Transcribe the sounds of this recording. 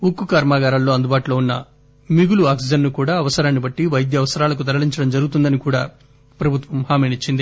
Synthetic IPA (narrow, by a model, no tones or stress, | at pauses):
ukːukaːɾmaːɡaːɾɐllo̞ːɐnd̪ubaːʈulo̞ːunːɐ | miɡuluaːksid͡ʒɐnnukuːɽaːɐʋɐsɐɾaːnːibɐʈːiʋɐjd̪jɐʋɐsɐɾaːlɐk̬ut̪ɐɾɐɭiɲt͡ʃɐɽɐmd͡ʒɐɾuɡut̪und̪ɐnikuːɽaː | pɾɐbʱut̪ʋɐmhaːmeːnit͡ʃːind̪i